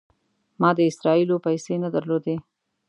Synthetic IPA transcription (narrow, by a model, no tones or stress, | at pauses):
mɑd̪əɪsɾɑilopajsenad̪əɾlod̪e